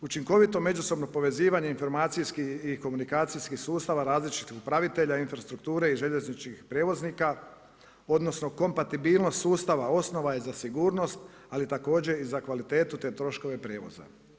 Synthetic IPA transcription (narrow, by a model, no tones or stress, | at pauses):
ut͡ʃiŋko̞ʋit̪o̞me̞d͡ʒuso̞bno̞po̞ʋe̞ziːʋaɲeinfo̞ɾmaːt̪sijskiiko̞munikaːt̪sijskixsuːst̪aʋaɾaːzlit͡ʃit̪ixupɾaʋit̪e̞ʎainfɾast̪ɾuk̚t̪uːɾe̞iʒe̞ʎeznit͡ʃkixpɾe̞ːʋo̞zniːka | o̞d̪no̞sno̞ko̞mpat̪ibiːlˠno̞st̪suːst̪aʋao̞sno̞ʋaizasiɡuːɾno̞st̪ | alit̪ako̞ːd͡ʑe̞izakʋalit̪e̞ːt̪ut̪e̞ːt̪ɾo̞ʃko̞ʋe̞pɾe̞ːʋo̞̰za̰